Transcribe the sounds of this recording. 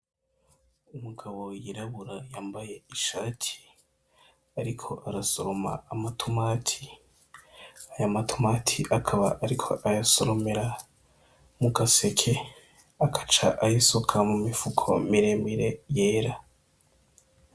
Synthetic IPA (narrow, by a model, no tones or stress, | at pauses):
umuɡaβo̞jiɾaβuɾajaːmbaje̞iʃaːtʰi̥ | aɾikʰo̞ʔaɾasoɾoma̰ːmatʰomaːtʰi̥ | ajamatʰomaːtʰiʔakʰaβa̰ʔaɾikʰo̞ʔajasoɾomeɾa | mukase̞kʰe | akʰḁt͡ʃaʔajisukʰamumifukʰo̞̰miɾe̞miɾe̞jeːɾa